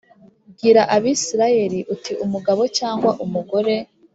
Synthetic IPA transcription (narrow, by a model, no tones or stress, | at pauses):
bɡiːɾaʔaβiːsiɾaje̞ɾiʔutiʔumuɡaβo̞t͡ʃaːŋɡwaʔumuɡo̞ɾe̞